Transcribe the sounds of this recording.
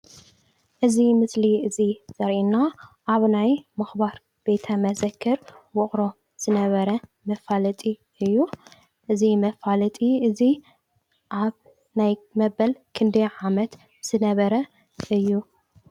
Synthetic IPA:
ʔɨzimɨsliɨziz̥ɐɾʔinaʔaβnajmɨxbaɾ | be̞t̪ʰɐmɐzɐkʰːɨɾwʊχʼɾo̞ | z̥ɨnɐβɐɾɐ | mɐfalɐt̪ʼi | ɨjːu | ʔɨzimɐfalɐt̪ʼiɨzi | ʔaβ | najmɐbɐlkʰɨnd̪iʕamɐt̪ | z̥ɨnɐβɐɾɐ | ʔɨjːu

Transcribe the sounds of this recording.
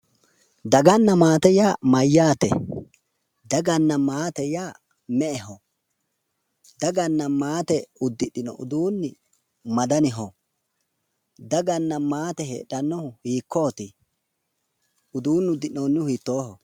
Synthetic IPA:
d̪ɐɡɐnːɐmaːt̪ɛjaːmɐjːaːt̪ɛ̰ | d̪ɐɡɐnːɐmaːt̪ɛjaː | mɛʔɛɦɔ | d̪ɐɡɐnːɐmaːt̪ɛʊd̪ːɪɗɪnɔ̰ʔʊ̰d̪uːnːɪ | mɐd̪ɐnɪɦɔ | d̪ɐɡɐnːɐmaːt̪ɛɦḛɗɐnːɔhʊhiːkːoːt̪i | ʊd̪uːnːʊd̪ːɪʔnoːnːʊʊhiːt̪ːo̞ːɦɔ

